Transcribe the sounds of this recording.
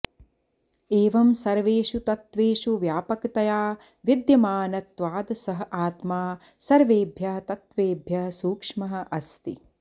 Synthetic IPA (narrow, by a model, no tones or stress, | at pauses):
eːʋɐmsɐɾʋeːʃut̪ɐt̪ʋeːʃuʋjaːpɐkt̪ɐjaː | ʋid̪jɐmaːnɐt̪ʋaːd̪sɐɦɐʔaːt̪maː | sɐɾʋeːbʱjɐɦɐt̪ɐt̪ʋeːbʱjɐɦɐsuːkʂmɐɦɐ̆ʔɐst̪ḭ